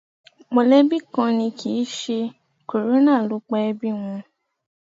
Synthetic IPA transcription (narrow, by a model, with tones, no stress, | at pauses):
mo˧lɛ˦bi˦˨kã˧nĩ˧kʰi˨˦ʃe˧ | ko˨ɾo˦nã˦˨lu˦k͡pɛ˦ɛ˧bi˦w̃ɔ̃˧